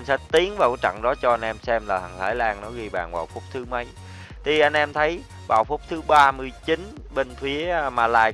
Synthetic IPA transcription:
ə˧ŋsa˧˦˥t̪i˨˦əŋvaː˨˩wkːjt͡ɕa̰˧˨ŋɗɔ˨˦t͡ɕɔ˧ʔa˧jnʔɛ˧msɛ˧mlaː˨˩ha˨˩ŋlaː˧˩jlaː˧ŋnɔ˨˦ɣi˧ɓa̰ː˨˩nva̰ː˨˩wfʊ˦˥k͡p̚t̪ʰɨ˨˦ma˨˦j | t̪ʰi˨˩ʔa˧jn̟ʔɛ˧mt̪ʰə˨˦j | va̰ː˨˩wfʊ˦˥k͡p̚t̪ʰɨ˨˦ɓaː˧mɨ˧əjt͡ɕi˨˦n | ɓe˧nfi˨˦əmaː˨˩la̰ː˨˩j

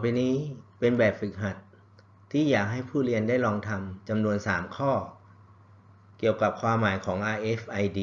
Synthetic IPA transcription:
pa˧jniː˦˥pe˧nbɛː˨˩p̚fɯ˨˩k̚ɦa˨˩t̪̚ʰː | iː˥˩jaː˨˩k̚ɦa˥˩jpʰuː˥˩li˧əndaː˥˩jlɔː˧ŋt̪ʰa˧mt͡ɕa˧mnu˧ənsaː˩˦mkʰɔː˥˩ | ki˨˩əwka˨˩p̚kʰwaː˧mːaː˩˦jkʰɔː˩˦ŋʔaː˧jʔe˦˥fʔa˧jdiː˧

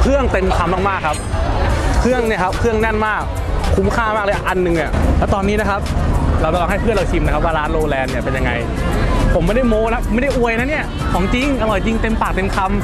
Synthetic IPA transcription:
kʰɯ˥˩əŋt̪e˧mkʰa˧mːaː˥˩ŋmaː˥˩kʰːa˦˥p̚ | kʰɯ˥˩əŋni˥˩kʰa˦˥p̚kʰɯ˥˩əŋnɛ˥˩nmaː˥˩k̚ʰː | u˦˥mkʰaː˥˩maː˥˩lɤː˧ʔa˧nːɯ˨ŋʔa˨˩lɛː˦˥˩t̪ɔː˧nːiː˦˥na˦˥kʰa˦˥p̚ɾa˧wt͡ɕa˧˩lɔː˧ŋha˥˩pʰɯ˥˩nɾla˧wt͡ɕ̪ʰi˧˩mna˦˥kʰa˦˥waː˥˩ɾaː˦˥nloː˧lɛː˧nːi˥˩ɐpe˧nja˧ŋa̰˧j | pʰo˩˦mːa˥˩jda˥˩jmoː˧la˦˥pma˥˩da˥˩jʔu˧əjna˦˥ni˥˩ɐ | kʰɔː˨˩˦ŋt͡ɕi˧ŋʔa˧lɔ˨˩jt͡ɕi˧ŋt̪e˧mpaː˨˩k̚t̪e˧mkʰa˧m

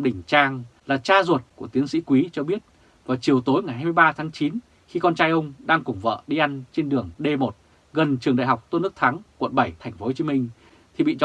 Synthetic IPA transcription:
ɗï˨˩ŋ̟t͡ɕaː˧ŋlaː˨˩t͡ɕaː˧zwə˨˩t̚ku˧˩ət̪i˨˦ənsḭ˧˥kwi˨˦t͡ɕɔ˧ɓi˦˥ət̚ | vaː˨˩t͡ɕi˨˩əwt̪o˨˦jŋa˨˩jhaː˧m˧jɓaː˧t̪ʰaː˨˦ŋt͡ɕi˨˦n | xi˧kɔ˧nt͡ɕaː˧jʔə˧wŋ͡mɗaː˧ŋkʊ˨˩ŋ͡mvə̰ː˧˨ɗi˧ʔa˧jŋ̟t͡ɕe˧nɗɨ˨˩əŋɗe˧mo˨˩t̚ | ɣə˨˩nt͡ɕɨ˨˩əŋɗa̰˧˨jɦa˨˩wk͡p̚t̪o˧nɨ˦˥ək̚t̪ʰaː˨˦ŋkwə̰˧˨nɓə˧˩jt̪ʰa˨˩jŋ̟fo˧˦ho˧˩t͡ɕi˨˦mï˧ŋ̟ | t̪ʰi˨˩ɓḭ˧˨t͡ɕ

